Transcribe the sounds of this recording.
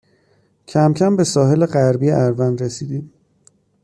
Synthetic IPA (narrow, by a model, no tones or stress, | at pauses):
cʰæmcʰæmbe̞sɒːɦe̞leɢæɾbijeʔæɾvænɾesiːd̪iːm